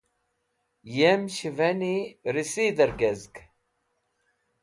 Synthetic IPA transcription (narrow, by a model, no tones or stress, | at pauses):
jæmʃvæniɾisiðəɾɡæzɡ